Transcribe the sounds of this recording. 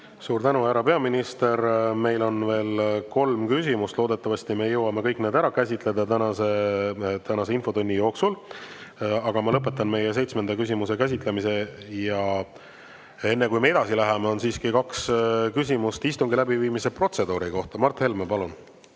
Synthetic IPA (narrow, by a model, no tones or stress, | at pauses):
suːɾt̪ænuæɾɑpe̞ɑminist̪e̞ɾme̞jlo̞nve̞ːlko̞lmkysimust̪lo̞ːd̪e̞t̪ːˑɑvɑst̪ime̞jɤwːɑme̞kɤ̞jkned̪æɾɑkæsʲit̪ˑle̞d̪̥ɑt̪ænɑset̪ænɑse̞info̞t̪unʲːijo̞ːksul | ɑɡ̥ɑmɑlɤpːˑe̞t̪ːˑɑnme̞jes̬e̞jt̪sme̞nd̪̥ɑkysʲimuse̞kæs̬ʲit̪ˑlemise̞jɑ | e̞nːe̞kujme̞e̞d̪̥ɑsilæɦemeo̞nsiːskikɑkskysʲimust̪ist̪uŋɡilæbiviːmise̞pro̞t̪se̞d̪uːɾiko̞ht̪ɑmɑrt̪ːhe̞lmepɑlun